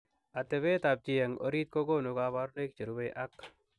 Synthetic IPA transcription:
a˨t̪ɛ˨be˦t̪a˨b̚t͡ʃɪ˨ja˨ŋʔo̰˦ɾi˦t̪̚ko˦ɡo˦no˨kaba˦ɾne˦kt͡ʃe˨ɾu˦be˦ʔa˦k

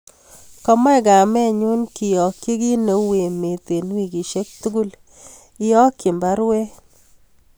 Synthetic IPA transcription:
kɔ˦ma˦ɛ˦ɡa˨mɛ˦˨ɲʊ˦nki˨jɔ˨kːe˦ɡi˦no˨we˨me˨t̪e˨n˦wi˦ɡi˨ʃe˦k̚t̪u˦ɡu˦l | ɪ˦jɔ˦kːɪ˨mba˦ɾwe˦

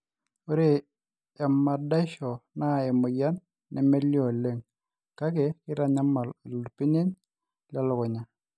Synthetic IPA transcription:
o˦ɾeː˦˨ | mːa˨da˦ʃɔ˨na˦˨ɛ˨mʊ˨ja˦nː | ʔɛ˨me˦ljɔ˨le˦˨ŋ | ka˦ke˨kɪ˦ɾa˦ɲa˦ma˨llu˨pi˦ne˦n | la˦lʊ˨kɔ˨ɲa˦

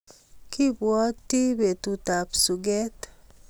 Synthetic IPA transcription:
ki˦bwɔ˦tːi˦be˨tu˨ta˨psu˨ɡe˦t

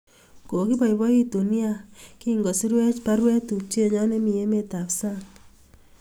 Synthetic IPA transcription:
ko˨ki˦pɔ˨jbɔ˦i˦to˨ni˦a˦ki˦ŋɡɔ˨si˦ɾwɛ˦t͡ʃpa˦ɾwɛ˦tu˨p̚t͡ʃe˦ɲɔ˦nɛ˦mi˨je˦me˦ta˨psa˦ŋ

